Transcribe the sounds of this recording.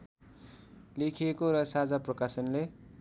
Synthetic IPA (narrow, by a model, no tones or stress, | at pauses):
lekʰijekoɾʌsad͡zaprʌkasʌnle